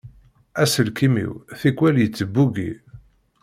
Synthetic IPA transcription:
æsəlkimḭwθikʷːwæljət͡sːəbːuɡḭ

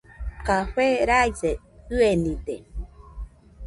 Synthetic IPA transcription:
kaɸeɾajseɯenĩd̪e

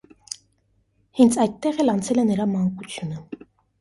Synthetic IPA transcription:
hɛnt͡sʰɑjd̪̚t̪ːɛʁɛlɑnt͡sʰɛlɛnəɾɑmɑŋkut͡sʰjunə

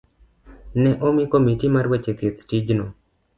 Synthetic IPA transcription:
nɛʔomikomitimaɾwet͡ʃek̪et̪tid͡ʒno

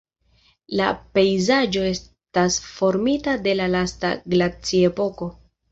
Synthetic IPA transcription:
la̰pe̞jzad͡ʒo̞e̞s | tasfo̞ɾmitade̞lalasta̰ɡlat͡sie̞po̞ko̞

